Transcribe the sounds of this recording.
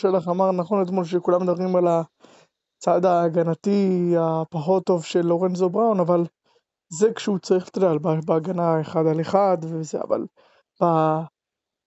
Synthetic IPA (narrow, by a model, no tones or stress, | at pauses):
ʃelaχamaʁnaχo̞net̪molʃ̬ekulamed̪abʁimala | t͡sad̪aːɡanatiapaχo̞t̪ːo̞vʃe̞lːo̞ʁenzobʁawnaval | zekʃɛut͡saʁiχle̥t̪adalbabeaɡanaeχad̪aleχad̪vezḛa̰va̰l | b̥a